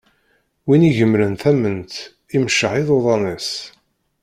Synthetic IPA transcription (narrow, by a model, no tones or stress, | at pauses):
winiʝəmɾənθæmənt̪ | imʃəʕɪðˤoðˤɑnəs